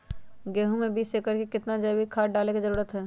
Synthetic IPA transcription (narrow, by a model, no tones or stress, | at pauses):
ɡeːɦũmebiːseːkəɾkekɪt̪nad͡ʒəbʱikʰaːʈɖaːlekizəɾuːɾət̪ɦɛː